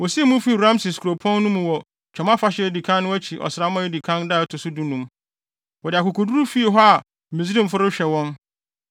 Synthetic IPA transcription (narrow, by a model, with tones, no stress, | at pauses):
wɔ˨si˦e˦˨mʊ̃˦fi˦˨ɾã˦msɪ˨skʰu˨ɾo˨pʰɔ̃˦nːũ˦mũ˨wɔ˨ | t͡ʃʰᶣɔ˨mã˦fa˦ɕɪ˦˨di˨kʰã˦nː˦ʊ̃˦æ˦t͡ɕʰi˨ʔɔ̰˨sɾa˦mã˦e˦di˨kʰã˦nda˦˨ɔ˨˦tʰʊ˨sʊ˦du˦nũ˦m | wɔ˨dɪ˨a˨kʊ˨kʰo˨du˦ɾu˦fi˦e˨ɦɔ˦a˨ | mĩ˨zi˦ɾĩ˦m̩˨fʊ˦ɾʊ˦ɕᶣɛ˨wɔ̃˦n